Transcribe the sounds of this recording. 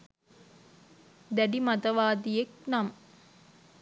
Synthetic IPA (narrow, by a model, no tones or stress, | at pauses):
d̪æɖimɐt̪ɐʋaːd̪ijeknam